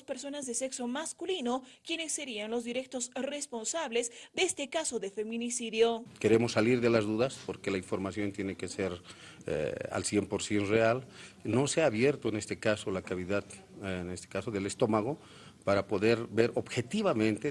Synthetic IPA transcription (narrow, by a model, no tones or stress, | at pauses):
speɾso̞nazðese̞kso̞maskulinokjenesːeɾianlozd̪iɾek̚t̪osrespo̞nsaβlezd̪est̪ekasoðefe̞mĩnisiðjoke̞ɾe̞mo̞sːaliɾðe̞lazðuðaspo̞ɾke̞laiɱfo̞ɾmasjo̞nt̪je̞nekeseɾ | ḛa̰lsje̞mpo̞ɾsje̞nrealno̞seaːβje̞ɾt̪oene̞st̪ekaso̞lakaβiðað | nest̪e̥kasoðe̞lest̪o̞maɣo̞ | paɾapo̞ðe̞ɾbe̞ɾʔo̞bxe̞t̪iβamẽ̞nt̪e